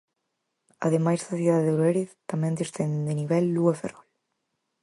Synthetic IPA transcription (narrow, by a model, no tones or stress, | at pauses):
a̰ðemajsðaθiðaððeuɾɛɾiðt̪amɛnd̪ist̪ɛnd̪ind̪eniβɛlːuefḛrɔl